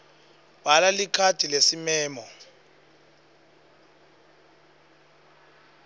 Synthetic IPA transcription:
balalikʰatʰilesimɛːmɔ

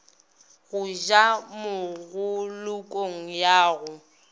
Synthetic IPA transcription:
ɣʊʒamʊɣʊlʊkʼoŋ̩jaːɣʊ

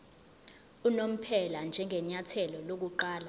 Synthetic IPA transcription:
unom̩pʰɛland͡ʒʱɛŋɡʱɛɲatʰɛlɔlok̬uǃaːla

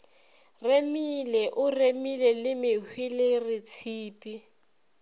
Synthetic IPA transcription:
remilɛʔʊremilɛlɪmɪhwilɪrɪt͡sʰiːpʼi

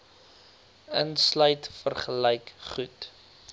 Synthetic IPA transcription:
ənslœɥtfərχəlɛjkχut

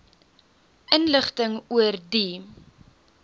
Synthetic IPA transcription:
ʔənləχtəŋuərdi

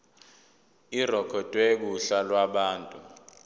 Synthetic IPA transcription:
irɔkʰɔtʼwek̬uɬalwaɓaːntʼu

